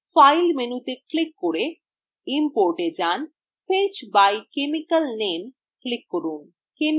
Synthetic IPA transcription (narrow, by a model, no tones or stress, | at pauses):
fajlmenut̪eklikːoɾe | impoɾʈed͡ʑan | fet͡ɕbajkemikəlnem | klikːoɾun | kem